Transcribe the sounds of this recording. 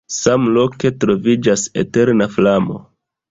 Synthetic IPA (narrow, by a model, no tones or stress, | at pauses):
samlo̞ke̞tɾo̞vid͡ʒasete̞ɾnaflamo̞̰